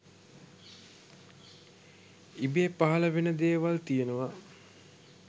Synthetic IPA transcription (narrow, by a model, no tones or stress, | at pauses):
ibiepaɦɐləʋenəd̪eːʋalt̪ijenəʋa